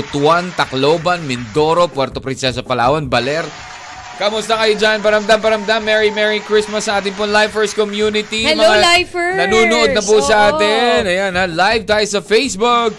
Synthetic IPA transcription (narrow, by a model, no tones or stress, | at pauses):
t̪want̪ɐkloːbɐnmɪnd̪o̞ːɾopwɛɾt̪opɾɪnsɛsɐpɐla̰ːwonbɐlɛɾ | kɐmʊst̪ɐkɐjod͡ʒanpɐɾɐmd̪ampɐɾɐmd̪amːɛɹimɛɹikɹɪsmɐsːɐʔaːt̪ɪnŋpoŋlajfɛɹskomjuːnɪt̪immɐŋajfnɐnuːnoʔod̪nɐpusɐʔaːt̪ɪnɐjanɐlajvt̪aːjsɐfejsbʊk̚